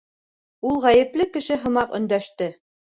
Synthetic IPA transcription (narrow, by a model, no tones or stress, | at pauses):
ulˠʁæjɘ̆plɘkɘ̆ʃɘɦɤ̆mɑqɵ̰̆nd̪æʃt̪ɘ